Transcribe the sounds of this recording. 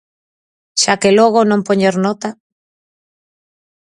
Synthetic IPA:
ʃakeloɣ̞onõmpoɲeɾnɔt̪a

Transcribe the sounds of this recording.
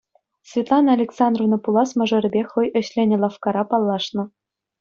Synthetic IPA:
sʲvʲet̪lˠɑnɑlʲeksɑnd̪rovnɤ̆pulˠɑsmɤ̆ʐɤ̆ɾʲɘ̆bʲexɤ̆jɘ̆ɕlʲenʲɘ̆lˠɑfkɑɾɑpɑlˠːɑʂnɤ̆

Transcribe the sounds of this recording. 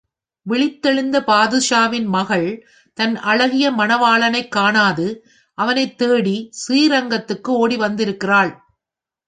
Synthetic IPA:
ʋɪɭɪt̪ːɛɻɪnd̪ɐpaːðɯʂaːʋɪnmɐɣɐɭ | t̪ɐnʔɐɭɐɣɪjɐmɐnɐʋaːɭɐnɐɪkːaːɳaːðɯ | ʔɐʋɐnɐɪt̪ːeːɽisiːɾɐŋɡɐt̪ːɯkːɯoːɽiʋɐnd̪ɪɾɯkːɪraːɭ

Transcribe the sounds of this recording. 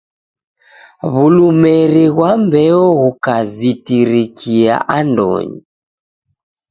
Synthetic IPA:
βulumɛɾiɣwambɛɔɣukazitiɾikʰia̰ʔandɔ̰ɲi

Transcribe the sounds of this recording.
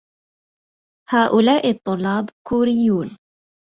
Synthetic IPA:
haːʔʊlaːʔɪt̪ˤːʊlːɑːbkuːɾɪjːuːn

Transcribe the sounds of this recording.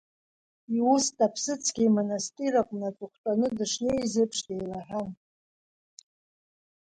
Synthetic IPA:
iustʼapʰsɨt͡sʰɡʲimonastʼirakʷʼnat͡sʼʊχʷtʼanɨdɨʂnejzɨpʰʂdejlaħʷᶣan

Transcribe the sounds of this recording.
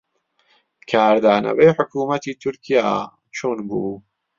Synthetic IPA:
kʰaːɾd̪aːnɐ̰wejħʊkuːmɐt̪iːt̪ʰʊɾkʰija̰ː | t͡ʃʰoːnbuː

